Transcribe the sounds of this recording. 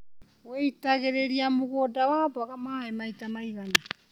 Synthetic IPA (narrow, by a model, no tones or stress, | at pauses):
wejtaɡe̞ɾeɾiamuɡodawaːbaɡamaːemajtamajɡana